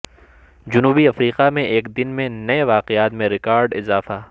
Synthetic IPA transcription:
d͡ʒʊnuːbiɐfɾiːqamẽʔeːkd̪ɪnmẽnɐeʋaːqɪjaːt̪mẽɾɪkaːɾɖɪzaːfaː

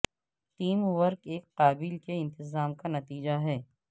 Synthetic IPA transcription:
ʈiːmʋɐɾkeːkqaːbɪlkeɪ̃nt̪ɪzaːmkanɐt̪iːd͡ʒaɦɛː

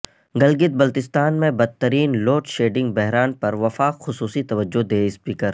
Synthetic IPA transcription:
ɡɐlɡɪt̪̚bɐlt̪ɪst̪aːnmẽbɐd̪̚t̪ːəɾiːnloːʈʃeːɖɪ̃ŋɡ̚bɛɦɾaːnpɐɾʋɐfaːkxʊsuːsit̪ɐʋəd͡ʒːʊd̪eːɪspiːkəɾ

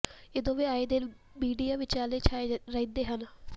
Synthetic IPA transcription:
ɪd̪õːʋiaːed̪e | biːɖijaːʋɪt͡ʃaːleːt͡ʃaeɾəĩd̪eːɦən

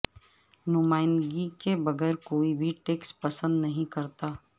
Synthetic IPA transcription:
nʊmaːɪnd̪ɡikebɐɡɛːɾkoːibʱiʈeːkspɐsə̃nd̪nɐɦĩkɐɾt̪aː

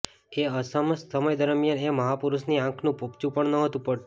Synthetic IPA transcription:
eəsəməssəməjd̪əɾmjaneməɦapuɾusniãkʰnũpopt͡ʃũpəɳnəɦət̪ũpəɽʈ

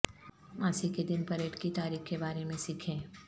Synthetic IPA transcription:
maːsiked̪ɪnpɐɾeːʈkit̪aːɾiːxkebaːɾemẽsikʰẽː

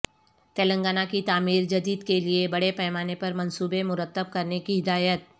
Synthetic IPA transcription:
t̪eːlə̃ŋɡaːnakit̪aːmiːɾd͡ʒɐd̪iːd̪keliebɐɽepɛːmaːnepɐɾmɐ̃nsuːbẽmʊɾət̪ːəb̚kɐɾnekiɦɪd̪aːjət̪̚

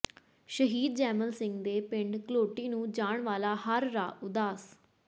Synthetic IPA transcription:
ʃəɦiːd̪̚d͡ʒɛːməlsɪ̃ŋɡd̪eːpɪ̃ɳɖkəloːʈiːnũːd͡ʒaːɳʋaːlaːhəɾːaːʊd̪aːs

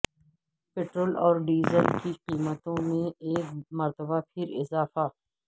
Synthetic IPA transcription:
peːʈɾoːlɔːɾɖiːzəlkiqiːmət̪õmẽeːkmɐɾt̪əbapʰɪɾɪzaːfaː

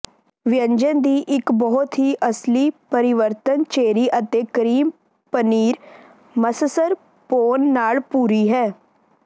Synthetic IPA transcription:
ʋɪjə̃ɲd͡ʒənd̪iːʔɪkbɔɦʊt̪ɦiːʔəsliːpəɾɪʋəɾt̪ənt͡ʃeːɾiːʔət̪eːkəɾiːm | pəniːɾ | məsəsəɾ | poːnːaːlpuːɾiːɦɛː

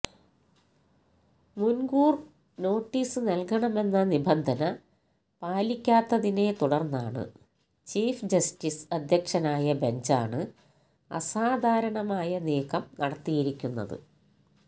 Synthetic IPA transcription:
munɡuːr | no̞ːʈːiːsɨnɐlkɐɳɐme̞nːɐnibɐnd̪ʱɐnɐ | paːlikʲːaːt̪ːɐðine̞t̪uɽɐrnːaːɳɨ̰ | t͡ɕiːfd͡ʑɐstisɐd̪ʱjɐkʂɐnaːjɐbe̞ɲd͡ʑa̰ːɳɨ | ɐ̰saːd̪ʱaːɾɐɳɐmaːjɐneːkʰɐmnɐɽɐt̪ːijiɾikʲːunːɐ̰ðɨ̰

